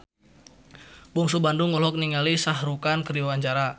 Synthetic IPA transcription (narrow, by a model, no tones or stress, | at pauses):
bɔŋsubandʊŋɔlɔk̚niŋɡalisaɦɾukankəɾiɔwaɲt͡ʃaɾa